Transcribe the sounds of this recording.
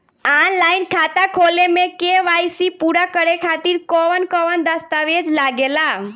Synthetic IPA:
anlainkʰat̪akʰolemẽkeʋajsipuɾakəɾekʰat̪iɾkɔʋənkɔʋənd̪əst̪aʋed͡ʒlaɡela

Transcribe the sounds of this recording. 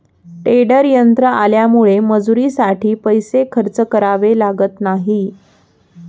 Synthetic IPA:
ʈeɽəɾjənt̪ɾəaljamuɭeməd͡zuɾisaʈʰiːpəjsekʰəɾt͡səkəɾaʋelaɡət̪naɦi

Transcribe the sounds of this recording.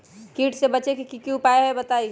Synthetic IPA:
kiːʈsebət͡ʃekikikjũpaeɦɛbət̪ai

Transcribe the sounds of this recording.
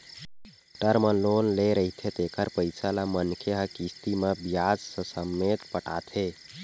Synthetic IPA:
ʈəɾmənlonleɾəɦit̪ʰet̪ekəɾpəɪsalamənkʰeɦəkist̪imebijad͡ʒsə̃səmːet̪pəʈa̰t̪ʰe

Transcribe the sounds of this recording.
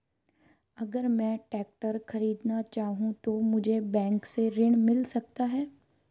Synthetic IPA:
ɐɡəɾmɛ̃ːʈɛːk̚ʈəɾxɐɾiːd̪nat͡ʃaːɦũt̪omʊd͡ʒʱebɛ̃ːŋkseɾɪɳ̃mɪlsɐk̚t̪aɦɛː

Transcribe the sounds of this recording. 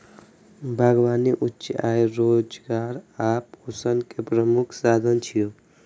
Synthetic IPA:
bʱəɡʋaːniʔutːt͡ʃaːjɾoːd͡ʒɡaːɾaːpusənkepɾəmukʰsaːd̪ʱənt͡ʃʰijo

